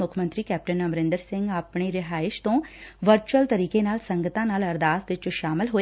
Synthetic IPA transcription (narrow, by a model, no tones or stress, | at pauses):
ʊkʰmənt̪ɾiːkɛːp̚ʈənəmɾɪ̃nd̪əɾsɪ̃ŋɡaːpɳeːɾɪɦaːɪʃt̪õːʋəɾt͡ʃuəlt̪əɾiːkenaːlsəŋɡət̪ãːnaːləɾd̪aːt̪ʋɪt͡ʃːʃaːmɪlɦoː